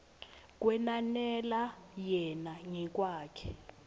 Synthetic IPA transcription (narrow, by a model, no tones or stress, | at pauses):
k̬ʼwɛnanɛlajɛnaŋɛk̬ʼwaːkʰɛ̥